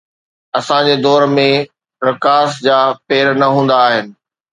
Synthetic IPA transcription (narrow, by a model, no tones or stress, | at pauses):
ɐsãd͡ʑeːd̪ɔːɾmẽ | ɾɐkaːsd͡ʑaːpeːɾnɐɦũːn̆d̪aːɦɪnɪ̆